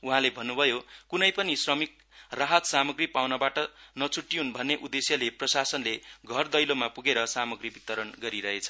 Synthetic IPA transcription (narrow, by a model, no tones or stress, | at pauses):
uɦãlebʱʌnːubʱʌjokunʌjpʌnisrʌmik̚ | raɦʌt̪samʌɡripawnʌbaʈʌnʌt͡sʰuʈːiɦunbʱʌnːeʔud̪esjʌleprʌsasʌnleɡʱʌrd̪ʌjlomapuɡeɾʌsamʌɡribit̪ʌɾʌnɡʌɾiɾʌɦet͡sʰʌ̥